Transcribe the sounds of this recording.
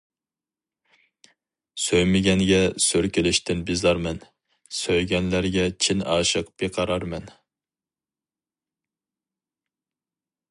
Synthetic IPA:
søjmɪɡʲɛnɡʲɛsøɾkʲʰɪlɪʃt̪ɪnbɪzɑɾmɛn | søjɡʲɛnlæɾɡʲɛt͡ʃʰinɑːʃəqb̥eqʰɑɾɑɾmɛn

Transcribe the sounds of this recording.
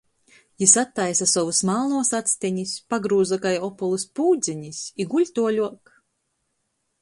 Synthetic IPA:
jisat̪ːajsasɔvusmalˠnuɔsat̪sʲt̪ʲiɲispaɡɾuːzakajɔpɔlˠɨspuːd̪zʲiɲisiɡuʎʲt̪uɔlʲuɔk

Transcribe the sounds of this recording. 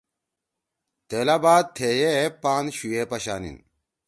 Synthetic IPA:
t̪eːlabaːd̪̚t̪ʰeːjepaːnɕujepɐɕaːnḭn

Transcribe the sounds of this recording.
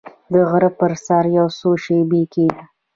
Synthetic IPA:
d̪əɣɾəpəɾsaɾjawsoʃebekeɡa

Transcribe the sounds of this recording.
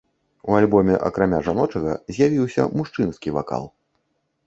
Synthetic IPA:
ualʲbɔmʲɛʔɐ̰kɾamʲaʐanɔt͡ʂɐɣɐ̰zʲjavʲiwsʲɐ̰muʂt͡ʂɨnskʲiva̰ka̰lˠ

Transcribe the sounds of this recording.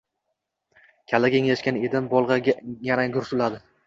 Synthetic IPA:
kʲʰalaɡʲeŋlaʃkʲane̞d̪ɪnbɒlˠʁɑɡʲajanaɡʊɾsʊlad̪ɪ

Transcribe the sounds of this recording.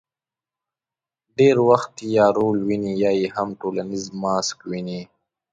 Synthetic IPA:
ɖeːɾwɐxt̪ijaːɾoːlwinijaːihɐmʈoːlanizmːaːskwini

